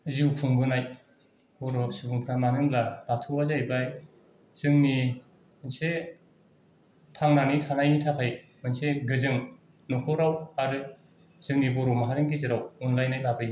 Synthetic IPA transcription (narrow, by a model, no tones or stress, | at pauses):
ziwkʰuŋbɯnaj | bɔɾɔsɯbɯŋpʰɾamanɯŋlab̥atʰɯwazajbaj | z̥ɯŋni | mɯnse | tʰaŋnanitʰanajnitʰakʰaj | mɯnseɡɯzɯŋ | nɔkʰɔɾawaɾɯ | z̥ɯŋnibɔɾɔmaɦaɾenɡizɯɾawɔnlajnajlabɯj